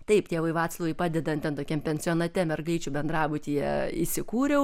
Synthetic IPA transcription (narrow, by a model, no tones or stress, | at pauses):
t̪ɐɪptʲeːʋɐɪʋɑːt̪slˠɐʋɐɪpɑːd̪ʲɛd̪ɐntʲɛnt̪oːkʲɛmpʲɛnʲsʲɪoːnɐt̪ʲɛmʲɛrɡɐɪt͡ʃʲuːbʲɛnd̪rɑːbʊt̪ʲijɛ̰isʲɪkuːɾʲɛʊ